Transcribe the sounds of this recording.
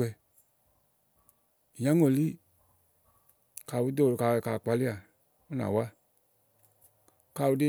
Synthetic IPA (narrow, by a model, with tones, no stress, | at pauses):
ɛ˧˨ | jã˦ŋo˨li˦ | ka˨wu˦do˦˨ɾka˨ɛ˨ka˨k͡pa˨li˦a˨ | u˦nã̰˨wa˦ | ka˨wu˧˦de˦